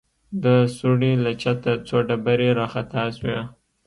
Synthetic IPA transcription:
d̪əsuɽilat͡ʃat̪at͡soɖabaɾeɾɑxat̪aswe

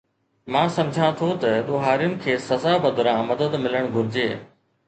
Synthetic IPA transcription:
mãːsɐmd͡ʑʱãt̪ʰot̪ɐɗ̪oːɦaːɾijʊnɪ̆kʰeːsɐzaːbɐd̪ʱʊɾãmɐd̪əd̪mɪləɽ̃ɡʱʊɾɪd͡ʑeː

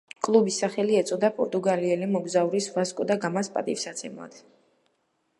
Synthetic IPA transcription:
kʼlˠubisaχɛliɛt̪sʼɔd̪apʼɔɾt̪ʼuɡaliɛlimɔɡzauɾisvaskʼɔd̪aɡamaspʼa̰t̪ʼḭfsat̪sʰɛmlˠa̰d̪̥

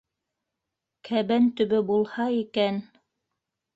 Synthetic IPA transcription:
kʰæβænt̪ɵ̆βɘbulˠhɑikæn

